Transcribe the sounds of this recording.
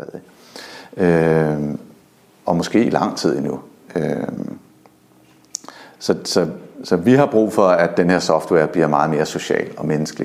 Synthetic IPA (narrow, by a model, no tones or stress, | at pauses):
ɛðˠe | ø | ɒ̽mɒ̽sɡ̥e̝̰ːilɑ̈ŋ̰t͡sʰið̞̰ˠinu | øm | sɒ̽sɒ̽sɒ̽ʋiɦɑ̈b̥ʁṵːfɒ̽æd̥enheɐ̰sɒ̽fd̥wɛɐ̰b̥liɐmɑ̈ːðˠme̝ːɐso̝ɕɛ̰ːlɒ̽menəsɡ̥əli